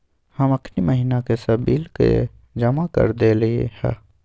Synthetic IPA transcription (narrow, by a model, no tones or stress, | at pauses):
hɐmɐkʰniməɦiːnakesɐbiːlkḛ | d͡ʒɐmakə̰ɾd̪eliḛhɛ̰